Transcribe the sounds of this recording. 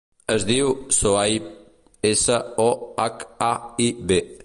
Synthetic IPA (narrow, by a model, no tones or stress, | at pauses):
əzd̪iwsoai | esəɔakaibe